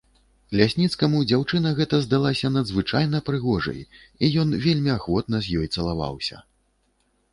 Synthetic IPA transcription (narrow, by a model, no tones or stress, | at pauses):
lʲasʲnʲit̪skɐmud͡zʲawt͡ʂɨnɐɣɛt̪ɐzd̪alˠasʲɐnɐd̪zvɨt͡ʂajnɐpɾɨɣɔʐɐ̰j | ijɔnvʲelʲmʲiaxvɔt̪nɐzʲjɔjt̪sɐlˠava̰wsʲɐ̰